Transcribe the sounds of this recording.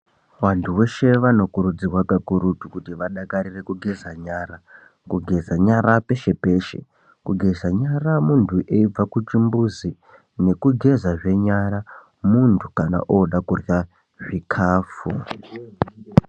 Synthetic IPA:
wantʰuwe̞ʃe̞ʋano̞kuɾud͡zirwakakuɾutukutiʋaɗakaɾire̞kuɡʱe̞zaɲaɾa | kuɡʱe̞zaɲaɾape̞ʃe̞pe̞ʃḛ | kuɡʱe̞zaɲaramuntʰuʔeib͡vakut͡ʃimbuzi | ne̞kuɡʱe̞zaʐe̞ɲaɾa | muntʰukana̰ʔoɗakurja | ʐikʰaːfu

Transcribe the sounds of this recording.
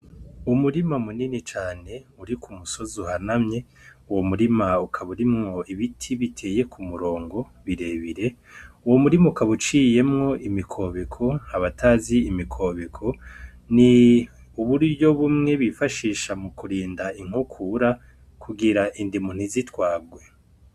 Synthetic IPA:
umuɾimamuninit͡ʃaːne̞uɾikʰumuso̞zohanamɲe̞ | uwomuɾimaukʰaβuɾimŋo̞iβitʰiβitʰe̞ːje̞kʰumuɾo̞ːŋɡo̞ | βiɾe̞βiɾe̞ | uwomuɾimaukaβut͡ʃiːje̞mŋo̞ʔimikʰo̞ːβekʰo̞aβataːziːmikʰo̞ːβekʰo̞ | ni | uβuɾɟo̞βumŋe̞βifaʃiːʃamukuɾiːndaiŋukʰuɾa | kʰuɡiɾaʔindimun̥izitwaːb̚ɡwe̞

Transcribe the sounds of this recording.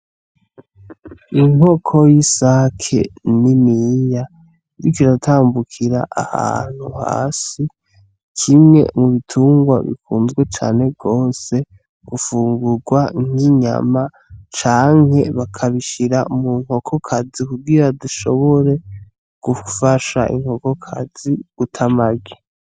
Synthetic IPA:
iŋo̞kʰo̞jisakʰḛnimija | ɾikiɾatʰaːmbukʰiɾa̰ʔaha̰n̥huha̰ːsi | kʰimŋe̞̰muβitʰuːŋɡwa̰βḭkuːnzɡwe̞t͡ʃa̰ːne̞bɡo̞ːse̞ | ɡ̥ufuːŋɡuɾɡwaŋ̥iɲa̰ma | t͡ʃaːŋ̥he̞βakʰaβiʃiɾamuŋ̥ho̞kʰo̞kʰazikuɡiɾaduʃo̞̰βo̞ɾe̞ | ɡ̥ufaʃa̰ʔḭŋho̞ko̞kʰa̰z̥iɡ̥utʰamaɡe

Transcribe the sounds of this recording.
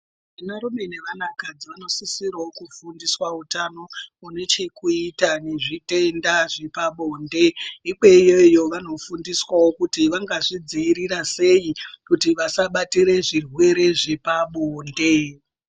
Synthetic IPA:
inaɾume̞ne̞ʋanakad͡ziʋano̞sisirawokufundiswautano̞une̞t͡ʃe̞kuitane̞ʐite̞ndaʐepaɓoːnde̞iɓe̞ijojo̞ʋano̞fundiswawokutiʋaŋɡaʐid͡ziːɾirase̞jikutiʋasaɓatiɾe̞ʐirwe̞ɾe̞ʐepaɓoːnde̞

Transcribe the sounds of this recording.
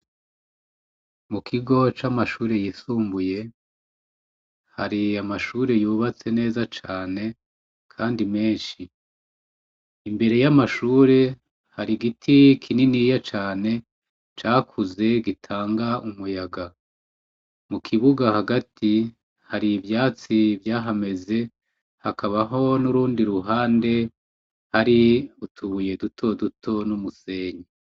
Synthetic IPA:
mukʰiɡo̞t͡ʃamaʃuːɾe̞jisuːmbuje̞ | haɾiamaʃuːɾe̞juːβat͡se̞ne̞ːzat͡ʃaːne̞ | kʰaːndime̞ːnʃi | mbe̞ɾe̞jamaʃuːɾe̞ | haɾiɡitʰikʰininijat͡ʃaːne̞ | t͡ʃaːkʰuze̞ɡitʰaːŋɡaumujaɡa | mukʰiβuɡahaɡatʰi | haɾivjaːt͡sivjaːɦame̞ze̞ | hakʰaβaɦo̞nuɾuːndiɾuɦaːnde̞ | haɾiutʰuβuje̞dutʰo̞dutʰo̞numuse̞ːɲe

